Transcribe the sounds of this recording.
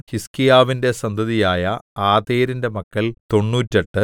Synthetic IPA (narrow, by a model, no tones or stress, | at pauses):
hiskijaːʋinde̞sɐnd̪ʱɐðijaːjɐaːðeːɾinde̞mɐkːɐlt̪o̞ɳːuːtːɐʈːɨ